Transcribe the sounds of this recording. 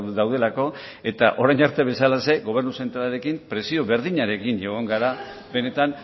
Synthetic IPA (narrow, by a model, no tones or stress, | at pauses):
d̪awðe̞lako̞ | e̞t̪aʔo̞ɾajnaɾt̪e̞βe̞salase̞ɣo̞β̞e̞rnuse̞nt̪ɾalaɾe̞kimpɾe̞sio̞βe̞ɾðiɲaɾe̞kiɲʝoɣ̞oŋɡaɾa | be̞ne̞t̪an